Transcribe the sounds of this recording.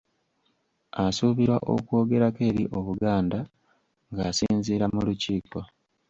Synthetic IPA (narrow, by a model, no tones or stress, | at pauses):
asuβiɾwaʔo̞̰ko̞ːɡe̞ɾake̞ːɾiʔo̞βuɡaːnda | ŋɡaːsiːnziːɾamuluciːko